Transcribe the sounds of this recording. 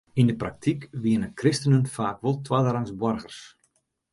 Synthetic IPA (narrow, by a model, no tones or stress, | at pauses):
indəprak̚tʰikʋiənəkrɪstənənfaːkʋolˠtʋadəraŋsbɔrɣərs